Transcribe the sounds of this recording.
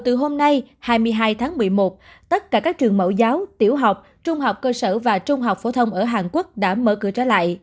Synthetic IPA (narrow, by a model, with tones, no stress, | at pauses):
t̪ɨ˨˩ɦo˧mna˧jhaː˧jmɨ˧əjɦaː˧jt̪ʰaː˨˦ŋmɨ˨˩əjmo˨˩t̚t̪ə˦˥t̚kaː˧˩kaː˦˥k̚t͡ɕɨ˨˩əŋmə̰˧˩wzaː˨˦wt̪i˧˩əwɦa˨˩wk͡p̚ | t͡ɕʊ˧ŋ͡mɦa˨˩wk͡p̚kəː˧səː˧˩vaː˨˩t͡ɕʊ˧ŋ͡mɦa˨˩wk͡p̚fo˧˩t̪ʰə˧wŋ͡mʔəː˧˩ɦaː˨˩nku˦˥ək̚ɗa̰ː˧˥mə̰ː˧˩kɨ̰˧˥ət͡ɕəː˧˩la̰ː˧˨jʔ